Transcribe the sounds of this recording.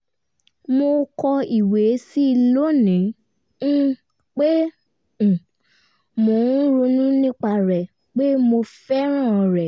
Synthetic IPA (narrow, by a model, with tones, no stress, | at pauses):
mo˧kɔ˧i˨we˨˦si˦i˧lo˦nĩ˨˦ | k͡pẽ˦˨ | mõ˨˦ɾu˧nũ˦nĩ˦k͡pa˧˨ɾɛ˨ | k͡pe˦mo˧fɛ˦ɾ̃ã˦˨˧ɾɛ˨